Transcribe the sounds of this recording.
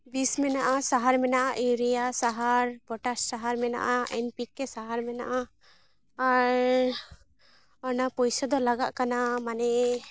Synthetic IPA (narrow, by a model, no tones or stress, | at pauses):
bismɛnaʔasaɦaɾmɛnaʔaʔiɾijasaɦaɾbɔʈasːaɦaɾmɛna̰ʔaɛnpikːɛsaɦaɾmɛnaʔaː | ɾ | ɔnapɔjsɔd̪ɔlaɡaʔkanamanɛ